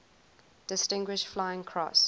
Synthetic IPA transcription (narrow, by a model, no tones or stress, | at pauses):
d̥ɪstɪ̃ŋɡwɪʃflaɪɪ̃ŋkʰɹɔ̰s